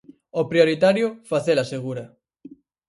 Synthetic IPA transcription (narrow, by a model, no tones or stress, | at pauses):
opɾioɾit̪aɾjʊfaθelaseɣ̞uɾɐ